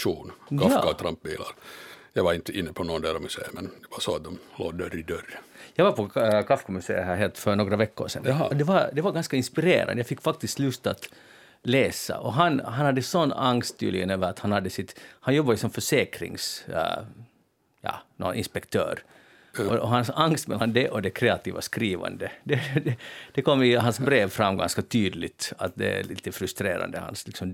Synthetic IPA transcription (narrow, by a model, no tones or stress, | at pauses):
ʃuːnkʰafakat̪ʰɾamp̚ːbḭːla̰ɾjɑɡʋaɾɪnt̪əɪnːəpʰɔnoːnd̪æːɾɔmʉsḛːmɛnd̪ɛʋasɔat̪̚d̪ɔmlo̰ːd̪œɾɪd̪œrjɑɡvaɾpʰɔkʰafkʰɔmʉsḛːhaɦeːlt̪ːfœɾnoːɡɾavɛkːʊ̰ɾʂɛ̰nɔd̪ɛvad̪ɛvaɾɡanskaɪnspɪɾḛːɾa̰nd̪əjɑfɪkːfak̚t̪ɪskt̪lʉst̪ːat̪ | leːsa̰ʔɔɦanɦanhad̪ːəsɔnːaŋst̪ʰːy̰ːlɪɡənøːʋəɾat̪hanhad̪ːəsɪt̪hanjɔbːajʉsɔmfœʂeːkɾɪ̰ŋs | jɑ̰ːnɔnɪnspɛkt̪ʰø̰ːɾ | ʔɔʔɔɦansaŋst̪mɛ̰lːand̪ɛʔɔd̪ɛkʰɾɛːat̪ḭːvaskɾiːva̰nd̪əd̪ɛd̪ɛd̪̥ɛkɔmːɪɦansbɾeːvfɾamːɡa̰nskat̪ʰyːd̪lɪt̪at̪̚d̪ɛ̰æ̰lḭːt̪əfɾɵst̪ɾeːɾa̰nd̪əha̰nslɪksɔm